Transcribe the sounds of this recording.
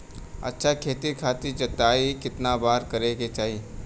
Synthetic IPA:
ɐ̰tːʃʰakʰeːt̪ikʰaːt̪id͡ʒɐt̪aːikɪt̪nabaːɾkɐɾeɡet͡ʃaːɦie

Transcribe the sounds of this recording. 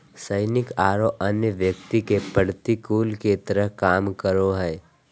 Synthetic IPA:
səɪnɪkaːɾoʔənjəʋjəkt̪ikepəɽt̪ikuːlket̪əɾəɦkaːmkəɾoɦɛː

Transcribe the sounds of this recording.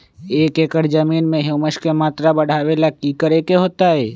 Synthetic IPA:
eːkeːkəɾd͡ʒəmiːnmẽɦuməʃkemaːt̪ɾabəɽ̤aːwelakikəɾekeɦoːt̪aɦɛː

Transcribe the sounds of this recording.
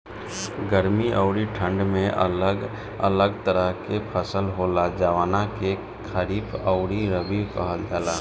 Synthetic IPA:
ɡəɾmiʔəʊɾiʈʰə̃ɳɖmẽʔəlɡ | ə̰ləɡt̪əɾəɦkepʰəsəlɦolad͡ʒaːʋaːnake | kʰəɾiːbəʊɾiɾəbikə̰ɦəld͡ʒaːlaː

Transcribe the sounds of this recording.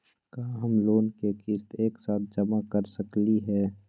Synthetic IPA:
kaːɦəmloːnkekɪst̪eːksaːt̪ʰd͡ʒəmakəɾsəkliɦɛː

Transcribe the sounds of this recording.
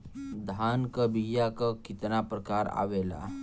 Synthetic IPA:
d̪ʱaːnkəbijakakɪt̪napɾəkaːɾa̰ːʋeːla̰

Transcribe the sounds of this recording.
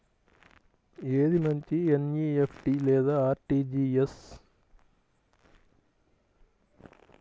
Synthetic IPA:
eːd̪imɐɲt͡ʃienjiːepʰʈilɛːd̪aːaːɾʈiːd͡ʒiːes

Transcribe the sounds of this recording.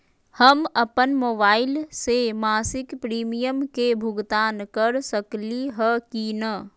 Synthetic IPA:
həmɐpənmoːbaːɪlsemaːsɪkpɾiːmijəmkebʱʊɡt̪aːnkəɾsəkliɦəkinə

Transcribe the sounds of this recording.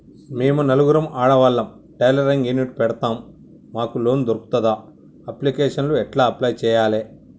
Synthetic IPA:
meːmunɐluɡuɾɐmaːɽɐʋɐlːɐm | ʈɐjlɐɾɐŋɡjiniʈpɛɽɐt̪aːmː | aːkulo̞ːnd̪oɾuku̥t̪ɐd̪aː | ɐplikeːʂɐnluɛʈlaːɐplɐjt͡ʃɛːjaːleː

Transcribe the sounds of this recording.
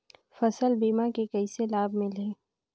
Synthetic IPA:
fɐsəlbiːmakekɐiselaːbmɪ̃lɦẽː

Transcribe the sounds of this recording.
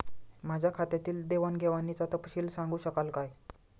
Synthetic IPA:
mad͡ʑʱjakʰat̪jat̪iːld̪eʋanɡʱeʋanːit͡sat̪əpɕiːlsãŋɡuːɕəkalkaj

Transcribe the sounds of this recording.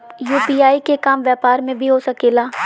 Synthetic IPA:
juːpiːaːikekaːmʋjɛːpaːɾmẽbʱiɦosɐkeːlaː

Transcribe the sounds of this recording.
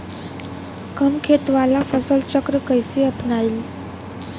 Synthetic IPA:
kəmkʰet̪ʋalafəsəlt͡ɕəkɾəkəjseəpɳaɾiːl

